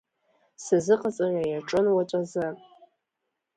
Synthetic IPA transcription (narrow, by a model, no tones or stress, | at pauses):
sazɨqʼat͡sʼarʷajaʈ͡ʂʼɨnwat͡ʃʷʼazɨ